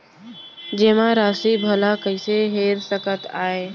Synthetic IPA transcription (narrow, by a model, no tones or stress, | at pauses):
d͡ʒeːmãɾaːsibʱəlakəɪseɦeːɾsəkət̪a̰ːe